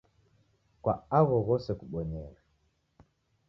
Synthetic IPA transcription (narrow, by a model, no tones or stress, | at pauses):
kwa̰aɣɔɣɔsɛkuɓɔɲɛɾa